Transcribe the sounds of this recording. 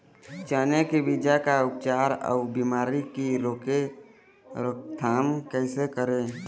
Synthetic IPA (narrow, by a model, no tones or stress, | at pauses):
t͡ʃaːnekibɪd͡ʒakaʊp̚t͡ʃaːɾɔ̰biːmaːɾikiɾoːke | ɾokt̪ʰaːmkɛːsekəɾẽː